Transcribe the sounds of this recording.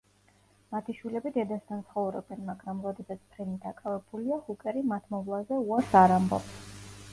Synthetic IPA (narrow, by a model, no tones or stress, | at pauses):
mat̪ʰiʃwilɛbid̪ɛd̪ast̪ʰant̪sʰχɔvɾɔ̰bɛnmaɡɾamɾɔd̪ɛsat̪sʰpʰɾɛnid̪akʼavɛbuliahukʼɛɾimat̪ʰmɔvlˠazɛuaɾsaɾambɔ̰bs